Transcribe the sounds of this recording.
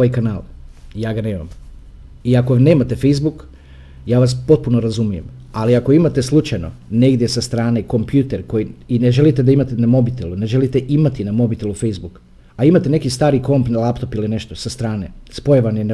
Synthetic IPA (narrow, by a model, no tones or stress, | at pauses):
ajkanaːljaːɡaneːma̰m | iakone̞ːmat̪e̞fejzbuk | jaːʋaspo̞t̪̚punoɾazumije̞m | aliako̞imat̪e̞slˠut͡ʃajno̞̰ne̞ɡd̪je̞sast̪ɾaːneko̞mpjut̪eɾko̞jiine̞ʒe̞lit̪ed̪aimat̪enamo̞bit̪elune̞ʒe̞lit̪e̞ʔimat̪inamo̞bit̪elufejzbuk | aimat̪e̞ne̞kist̪aːɾiko̞mpnalˠapt̪o̞piline̞ʃt̪osast̪ɾaːnespo̞jeʋanen